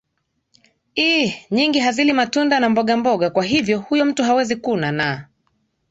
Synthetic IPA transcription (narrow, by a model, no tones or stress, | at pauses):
iɲiŋɡiɦazilimatundanambɔɠambɔɠakwaɦivjɔhujɔm̩tuɦawɛzikunana